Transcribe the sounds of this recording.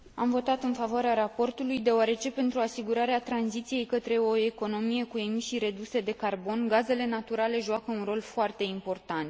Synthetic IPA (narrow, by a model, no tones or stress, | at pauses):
amvo̞t̪at̪ɨnfavoaɾeaɾapo̞rt̪ulujd̪eoaɾe̞t͡ʃe̞pe̞nt̪ɾuasiɡuɾaɾeat̪ɾanzit̪sije̞jkət̪ɾe̞o̞e̞ko̞no̞mije̞kuemiʃiɾe̞d̪use̞d̪e̞karbo̞nɡaze̞le̞nat̪uɾale̞ʒuakəunro̞lfoart̪e̞impo̞rt̪ant̪